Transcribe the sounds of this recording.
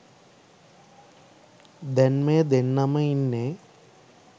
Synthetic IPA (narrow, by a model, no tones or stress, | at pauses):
d̪enmed̪enːɐmɐinːe